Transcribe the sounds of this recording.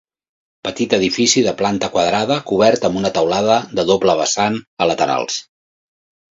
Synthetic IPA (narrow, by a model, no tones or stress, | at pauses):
pət̪it̪əðifisiðəplant̪əkwəðɾaðəkuβɛrt̪əmbunət̪əwlaðəd̪əðopləβəsanələt̪əɾa̰lˠs